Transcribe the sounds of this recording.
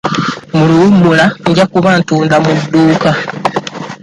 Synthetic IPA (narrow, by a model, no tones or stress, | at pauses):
muluwumbulaɲɟakuβantuːndamudːuːka